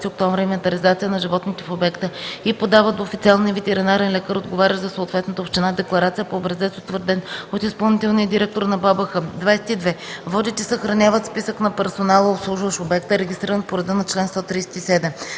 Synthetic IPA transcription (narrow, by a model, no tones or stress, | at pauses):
t̪iok̚t̪ɔɱvɾʲəimɛnt̪ɐɾizat̪sijənɐʒivɔt̪nit̪ɛfobɛkt̪əipod̪avət̪d̪oːfit̪sʲialˠniəvɛt̪ɛɾinaɾɛnlʲɛkəɾod̪ɡovaɾʲəʒzɐsoːt̪vɛt̪nət̪əopʃt̪ɛnad̪ɛklˠɐɾat̪sijəpoːbɾɐzɛt̪so̥t̪vəɾd̪ɛnot̪ispɐlˠnit̪ɛlˠniəd̪iɾɛk̚t̪oɾnɐbabəxəd̪vajsɛ̥t̪id̪vɛvɔd̪it̪ɛsəxɾɐnʲavət̪spisəknɐpɛɾsonalˠəopslˠuʒvəʃobɛkt̪əɾɛɡʲist̪ɾiɾənpoɾɛd̪ənɐt͡ʃlɛnst̪ɔt̪ɾijsɛ̥t̪isɛd̪ɛm